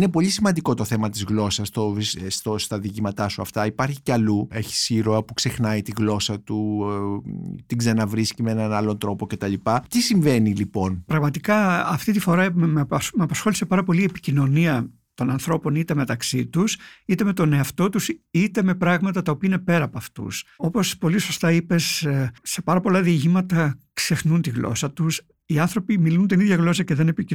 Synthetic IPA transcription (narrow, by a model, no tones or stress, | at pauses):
inepo̞ʎisimɐnd̪iko̞t̪o̞θe̞mɐt̪izɣlo̞sɐst̪oist̪ost̪ɐðicimɐt̪ɐsuɐ̰ft̪ɐipɐɾçi̥ceɐlue̞çi̥siɾoɐpukse̞xnɐit̪iɣlo̞sɐt̪u | t̪iɡzenɐvɾiscimenɐnɐlo̞nt̪ɾo̞po̞ce̞t̪ɐʎipɐt̪isiɱve̞nilipo̞npɾɐɣmɐt̪ikɐɐft̪it̪̬ifo̞ɾɐmmemɐpɐsxo̞lise̞pɐɾɐpo̞liepi̥cino̞niɐ | t̪o̞nɐnθɾo̞po̞nit̪e̞me̞t̪ɐksit̪usit̪e̞me̞t̪o̞ne̞ɐft̪o̞t̪usit̪e̞me̞pɾɐɣmɐt̪ɐt̪ɐo̞piɐine̞pe̞ɾɐːpoɐft̪ṵsopo̞spo̞liso̞st̪ɐipe̞sse̞pɐɾɐpo̞lɐðiɐʝimɐt̪ɐkse̞xnunt̪iɣlo̞̰sɐt̪us | iɐnθɾo̞pimilunt̪iniðʝɐɣlo̞sɐce̞ðene̞pii